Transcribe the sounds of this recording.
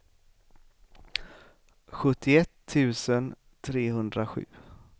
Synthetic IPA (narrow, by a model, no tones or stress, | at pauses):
ɧɵt̪ːɪɛt̪ʰːʉ̟ːsən | t̪ʰɾeːhɵnd̪ɾaɧʉ̟̰ː